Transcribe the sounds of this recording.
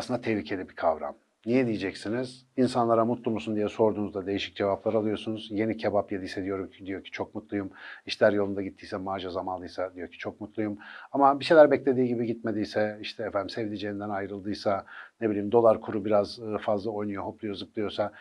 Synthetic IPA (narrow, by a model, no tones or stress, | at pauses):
sɯnd̪at̪ʰehlʲicʰe̞lʲibikʰavɾa̰m | nijɛd̪ijid͡ʒɛcsiniz̥ | insanlˠaɾamut̪lˠumusund̪ijɛso̞ɾd̪uːnuzd̪ad̪e̞jiʃi̥c̚d͡ʒe̞vaplˠaɾalˠɯjo̞ɾsunuzje̞nicʰebapjed̪isɛd̪ijo̞ɾumcid̪ijo̞ɾcʰi̥t͡ʃʰo̞kmut̪lˠujumiʃlʲæɾjo̞lˠund̪aɟit̪ʰːijsɛmaːʒazamanlˠɯjsad̪ijo̞ɾcʰi̥t͡ʃʰo̞k̚mut̪lˠujumamabiʃejlʲæɾbɛclʲed̪iːɟibiɟit̪̚me̞d̪ijsɛiʃt̪ʰɛːfænd̪imsevlʲid͡ʒejind̪ænajɾɯlˠd̪ɯjsanebilʲiːmd̪o̞lˠaɾkʰuɾubiɾazfazlˠao̞jnujoɦo̞plˠujozɯplˠɯjo̞ɾsa